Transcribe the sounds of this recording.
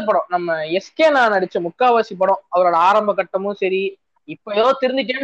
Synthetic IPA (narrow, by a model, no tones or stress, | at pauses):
ɐp̬ːɐɽõnɐmːɐɛskeːnãːnɐɽɪt͡ʃːɯ̃mʊkːaːʋaːsip̬ːɐɽõːɐʋɐɾoːɽɐaːɾɐmbɐkːɐʈːɐmɯ̃sɐɾi | ɪpːɐjoːt̪ɪɾɯnd̪ɪʈ̬ːeːɳ